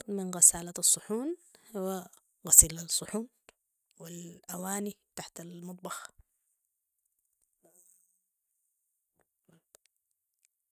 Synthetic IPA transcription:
mɪnɣɪsaːlaɑsˤːʊħuːnhwa | ɣasiːlasˤːʊħuːn | wɪlʔawaːnit̪aħt̪almɑt̪̚ˤbɑx

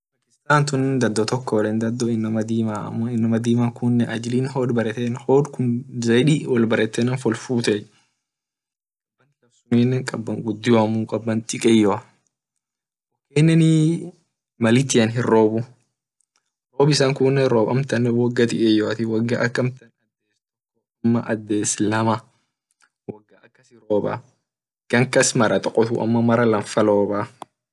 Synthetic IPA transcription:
fɐkɪst̪aːnt̪ʊnːd̪ɐd̪ːɔt̪ɔkːɔwlind̪ɐd̪ːɔɪnːɐmɐd̪iːmaːɐ̰mːoɪnːɐmɐd̪iːmakʊnːɛʔɐd͡ʒɪliːnɦoːd̪bɐɾɛt̪enhoːd̪kʊnzɐjᶑiwɐlbɐɾɛt̪ːɛnɐnfɔlfuːt̪ɛ | ɐnt̪ɪkɐsʊninːɛkʼɐbːɐŋɡʊd̪ːɪjɐmuːkʼɐbːɐnt̪ʼɪkʼɛjɔɐ | kːenːɛni | mɐlɪt̪ːɪɐnɦɪroːbʊ | ɾoːbɪsaŋkunːɛɾoːbɐ̰mt̪ɐnːɛwɔɡːɐt̪ɪkʼɛjɔɐt̪ɪwɐɡːɐʔɐkːɐmt̪ɐnɐd̪ːeːst̪ʊ | ɔɐmːɐ̰ʔɐd̪ːeːslɐmɐ | wɐɡːɐɐkːɐsɪɾoːbɐ̰ | ɡ̥ɐŋkɐsmɐɾɐt̪ʼɔkʼːɔt̪ʊ̰ʔɐ̰mːɐmɐɾɐlɐɱfɐloːba

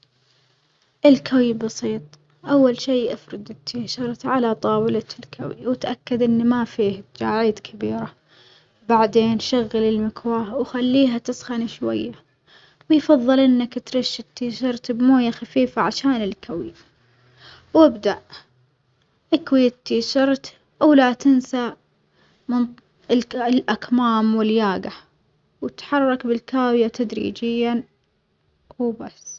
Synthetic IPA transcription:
ʔɪlkʰawibɑsˤiːt̪ˤ | ʔawːalʃiːʔafɾˤɑd̪ɪt̪ʰːiːʃɑɾˤt̪ʕalat̪ˤɑːwɪlalkʰa̰wḭwɪt̪ʔakːad̪ʔɪnːmafiːh̪d͡ʒaːʕiːd̪kʰɪbiːɾa | baʕd̪eːnʃaɣːalɪlmɪkwaːhwxalːiːɦat̪ɪsxaniʃwajːa | wɪjfɑðˤːɨlʔɪnːakt̪ɾɪʃːɪt̪ːiːʃɑɾˤt̪bmoːjaxafiːfaʕaʃaːnɪlkʰawj | wɪbd̪aʔ | ʔakwit̪ːiːʃɑɾˤt̪ | ʔawlat̪ɪnsa | mɪn | llʔakmaːmwɪljaːɡa | wɪt̪ħɑrˤːɑkbɪlkaːwjat̪ʰad̪ɾḭːd͡ʒɪjːa | basː

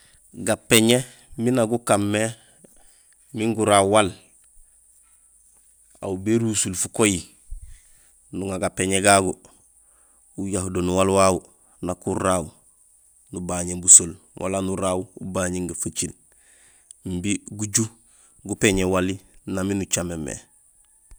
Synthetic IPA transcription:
ɡapeɲe | minaɡukamːe | miŋɡuɾaːwwal | a̰wbeɾuːsulfukoji | nuŋaɡapeɲeɡaɡu | ujahudonuwalwawu | nakuɾaːw | nubaɲebusol | wʔa̰lanuɾawṵbaɲeŋɡafat͡ʃil | m̩biɡuɟu | ɡupeɲewalinaminut͡ʃamemḛ

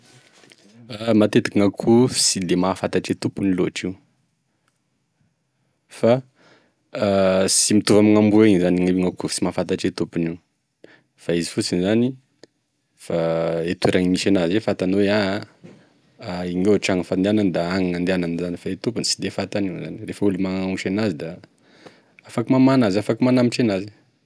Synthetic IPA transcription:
mat̪et̪ḁkiŋakʰufi̥sid̪emafat̪aʈ͡ʂet̪upuniloʈ͡ʂiu | fa | simit̪uvamiŋambueɲzaniŋeiŋakufu̥simafat̪aʈ͡ʂet̪upuni | faizi̥fut͡sinizani | faet̪ueɾaŋimiʃenazefat̪anowea | iŋewʈ͡ʂaŋəfaneanand̪aaŋaŋand̪eananzanifaet̪upunsid̪efat̪aniuzanirefəulimaŋŋiʃenazid̪a | afakimamanazafakimanamiʈ͡ʂenazi

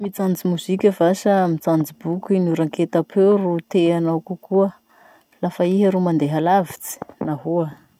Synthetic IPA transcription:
mit͡sand͡zimuz̥ikʲəvasəmit͡sand͡zibukʲuinuɾaŋket̪apʰewɾut̪eanawkukuə | lafaiɦəɾumand̪eɦalavit͡si̥naɦuə

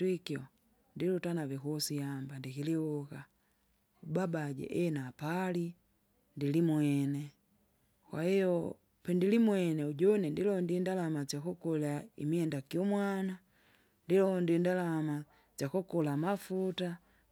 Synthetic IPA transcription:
twikiɔ | ndilutanavɛkusijambandikilihuka | ubabaɟɛ̰ʔɛnapali | ndilimwɛnɛ | kwahijɔ | pɛndilimwɛnɛuɟɔnɛndilɔndindalamat͡ʃakɔkɔlaḭmiɛndakiɔmwana | ndilɔhɔndiindalama | t͡ʃakɔkɔlamafuta

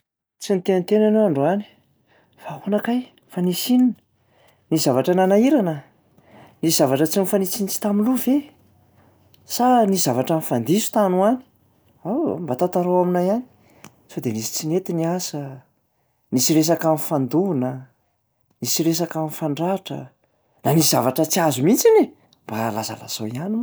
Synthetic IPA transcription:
t͡sinit̪enit̪enanowaɳɖ͡ʐoani̥ | faɦonakaj | fanisininə̥ | nizavaʈ͡ʂananaiɾanə | niz̥avaʈ͡ʂət͡sinifanisinit͡si̥t̪aminluve | sanizavaʈ͡ʂanifand̪isu̥t̪anuani̥ | aw̰mbat̪at̪aɾowaminajani̥ | sod̪enisi̥t͡sinet̪iniasə | nisiɾes̬akanifand̪unə | nisiɾes̬akanifaɳɖ͡ʐaʈ͡ʂə̰ | naniz̥avaʈ͡ʂət͡siazumint͡sini | mb̥alaza̰la̰z̥oiani

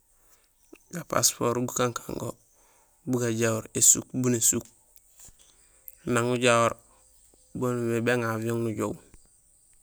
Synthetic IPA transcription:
ɡapa̰spoɾɡukaŋkʰaŋɡo̰ | buɡaɟawoɾesṵkbunesuk̚ | naŋːuɟawoɾ | bonmebeŋavioŋːuɟow

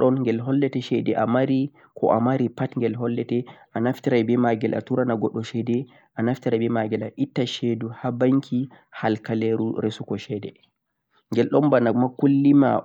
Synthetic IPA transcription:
ɗɔnŋɡɛlɦɔlːɛtɛʃɛdɛʔamaɾi | kʰɔ̰ʔamaɾipatŋɡɛlɦɔlːɛtɛʔanaftiɾajbɛmaɡɛlʔa̰tuɾanaɡɔɗːɔʃɛdɛ | ʔanaftiɾajbɛmaɡɛlaʔitːaʃeduhabaŋkʰi | halkaleɾuɾesukɔʃɛdɛ | ŋɡɛlɗɔnbanamakulːima̰

